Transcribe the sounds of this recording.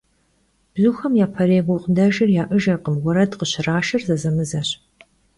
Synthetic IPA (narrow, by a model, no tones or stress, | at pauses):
b̥zuːxɐmjaːpʰɐɾeːɡʷɔqdɐʒɪrjaːʔɨʒɐrqəmɡʷɔɾɐdqəɕɪraːʃɐrzɐzɐmɨzɐɕ